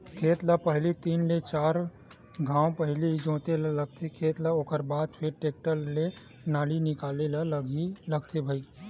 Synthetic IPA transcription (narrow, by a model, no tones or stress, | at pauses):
kʰeːt̪ləpəɦlit̪iːnlet͡ʃaːɾ | ɡʱãːwpəɦlid͡ʒõːt̪elələɡt̪ʰekʰeːt̪ləoːkəɾbaːd̪pʰɪɾʈeːk̚ʈəlːe | naːlinɪkaːlelələɡiləɡt̪ʰebʱəi